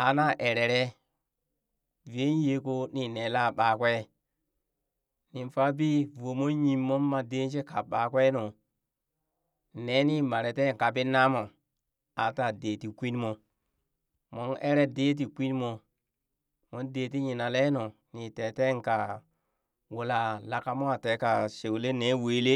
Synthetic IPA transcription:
a˨na˦ʔe˨ɾe˨ɾe˦ | ve˦n˦je˨˦ko˦ni˨ne˨la˦˨ɓa˨kʷe˦ | ni˨mfa˦bi˦vo˨mo˦ɲi˨mːo˦mːa˨de˦n˦t͡ʃe˦ka˨ɓa˨kwe˦no˨ | ne˨˦ni˦ma˨ɾe˨te˦ŋ˨ka˨bi˦na˦mo˨ | a˨ta˨deː˨ti˨kʷi˦n˦mo˨ | mo˨˦ne˦ɾe˦de˦t̬i˨kʷi˦n˦mo˨ | mo˨˦ndeː˨t̬i˦ɲi˨na˨le˦no˨ | ni˨te˨te˦ŋka˨ | wu˨la˨la˨ka˦mo˦a˨te˨˦ka˨ʃe˨wle˦ne˨˦weː˨˦le˦

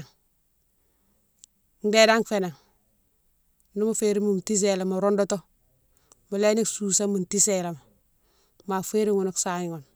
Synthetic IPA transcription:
ŋ | n̩˦de˦da˦ŋfe˨na˨ŋ | nu˦mu˦feɾi˦mu˨m˨ti˦s̬e˨la˨mo˨ɾo˦ndo˦to˦ | mu˨le˦ni˦ksu˨sa˦mu˨nti˦sela˨ma˨ | ma˨fe˦ɾi˦ŋu˨no˦ksa˨ɲ˨ŋo˨n

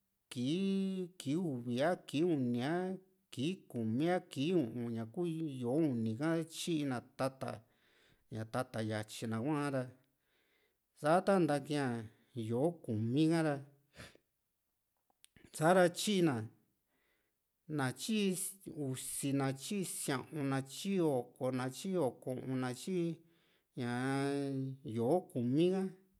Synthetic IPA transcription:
ki˨˦ki˨˦u˧˨βi˨a˦ki˨˦u˧˨nĩ˨a˦ | ki˨˦ku˨mĩ˦a˦ki˨˦ũ˨ʔũ˧ɲã˨ku˦jo˨˦u˧nĩ˨kã˦a˦t͡ʃi˦ʔi˧nã˨t̪a˦t̪a̰˧˨ | ɲã˨t̪a˧t̪a˨ja˨t͡ʃi˧nã˨kʷã˦ɾa˧ | sa˦t̪a˦nd̪a˧kĩ˧ã˧˨ | jo˨˦ku˨mĩ˦kã˦ɾa˧ | sa˦ɾa˧t͡ʃi˦˧nã˨ | nã˨t͡ʃi˦u˨˧si˧nã˧t͡ʃi˦˧sjã˧ʔũ˧nã˧t͡ʃi˦o˨ko˧nã˧t͡ʃi˦o˨kõ˧˨ʔõ˧nã˧t͡ʃi˦ | ɲã˨ | jo˨o˦ku˨mĩ˦kã˦

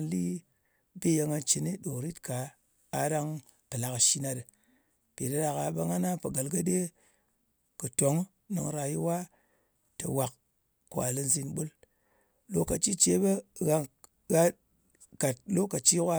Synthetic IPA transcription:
nli˦ | be˦je˧ŋa˦nt͡ʃi˨ni˦ɗo˨ɾi˦tkaː˨˦ | da˦ŋ | pɨ˨la˨ka˨ʃi˦na˨də˨ | pe˨da˦da˨ka˨bə˦ŋa˦na˦pə˨ɡa˨lɡa˦de˦ | kə˨to˨˦ŋ | nɨ̰˨ŋɾa˨ji˦wa˦ | tə̰˨wa˨k̚ | kʷa̰˨li˦nzi˦nɓu˦l | lo˦ka˨t͡ʃi˦t͡ʃe˦bə˦ɣa˦ | ɣa˦ | ka˨t̚lo˦ka˨t͡ʃi˦kʷa˦

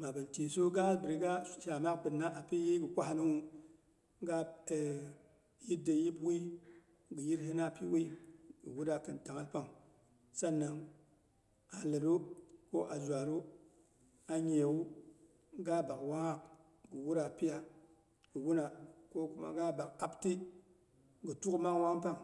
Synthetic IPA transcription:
ma˨bɨ˨nti˨so˦ɡa˦bɨ˨ɾi˦ɡa˦ʃa˨ma˦bɨ˨nːa˦ʔa˨pi˦je˦ɡɨ˨kʷa˦ha˦nɨ˦ŋu˦ | ɡa˦˨ | ji˦de˨ji˦bwi˦ | ɡɨ˨ji˦ɾɦe˦na˦˨pi˦wi˦ɡɨ˨wu˦ɾa˨kɨ˨nta˨ŋa˦lpa˦ŋ | sa˦nːa˨ŋ | a˨lə˨ɾu˦ko˦ʔa˨d͡ʒʷa˨ɾu˦ | a˨ɲe˨wu˦ | ɡa˦ba˨kwa˦ŋa˦k̚ | ɡɨ˨wu˦ɾa˨pi˦ja˦ | ɡɨ˨wu˦na˨ko˦ku˦ma̰˦ɡa˦ba˨ka˦pti˦ | ɡə˨tu˦kma˦ŋ˦wa˦ŋ˦pa˦ŋ

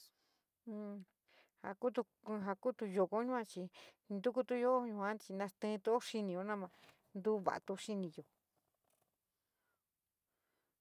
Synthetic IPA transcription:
ha̰˧˨ku˦t̪u˧ | ɦa˧ku˦t̪u˧jo˧˨ko˦ɲũ˦ã˧t͡ʃi˧ | nd̪u˦ku˦˧t̪u˦jo˦ɲũ˧hã˦t͡ʃi˧nã˧st̪ẽ˧˦˧t̪u˦o˦ʂi˧nĩ˧jo˧˦nã˦˧mã˧ | nd̪u˦βa̰˨ʔt̪u˧ʂi˦˧nĩ˧jo˨

